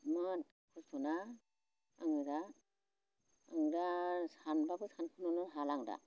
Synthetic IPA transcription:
mɯt | kʰustʰɔna | aŋɯɾa | aŋɾasanbabɯsankʰɯnɔnɯɦalaŋda̰

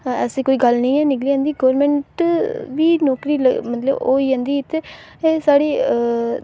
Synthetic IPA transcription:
ɛːsiːkoːiːɡəlnĩːɛːnɪkliːãːnd̪iːɡəːʋɾmɛ̃ːɳʈʋiːnɔːkɾiːləɡmət̪ləbo̰ːiːãːnd̪iːɪt̪e | esaːɽiː

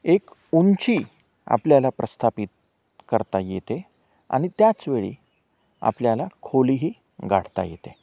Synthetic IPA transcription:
ek | unt͡ɕiː | a̰pljalapɾəst̪ʰapit̪̚ | kəɾt̪ajet̪e | a̰ɽ̃it̪jat͡sʋeɭḭ | a̰pljalakʰoliɦiː | ɡa̰ɽ̤t̪a̰jet̪e

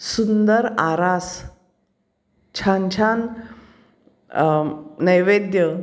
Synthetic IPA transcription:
sund̪əɾaɾas | t͡ɕʰant͡ɕʰan | əjʋed̪jə

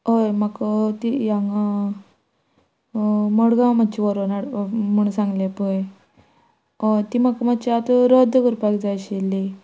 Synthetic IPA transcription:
ɦojmakət̪ijaŋa | məɽɡãmat̪ːt͡ɕiʋəɾonaɽməɳ̃sãŋɡlepəj | t̪imakəmat͡ɕiat̪ɾəd̪ʱəkəɾpakd͡zajɕilːi

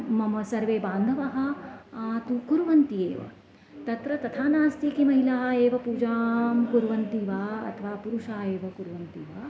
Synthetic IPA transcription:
mɐmɐsɐɾʋeːbaːnd̪ʱɐʋɐɦɐ̆ | t̪ukuɾuʋɐnt̪ijḛːʋɐ̰ | t̪ɐt̪ɾɐt̪ɐt̪ʰaːnaːst̪ikimɐɦilaːeːʋɐpuːd͡ʒaːmkuɾʋɐnt̪iːʋaːɐ̰t̪ʰɐʋaːpuɾuʂaːeːʋɐkuɾʋɐnt̪iːʋa

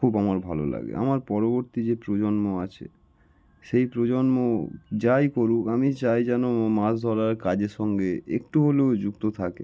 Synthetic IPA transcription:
kʰubamaɾbʱalo̰la̰ɡḛʔa̰maɾpɔɾoboɾt̪id͡ʑepɾod͡ʑonmoat͡ɕʰḛ | ʃejpɾod͡ʑonmod͡ʑajkoɾukamit͡ɕajd͡ʑɛnomasd̪ʱɔɾaɾkad͡ʑeɾʃɔŋɡeek̚ʈuɦoleod͡ʑukt̪ot̪ʰakḛ

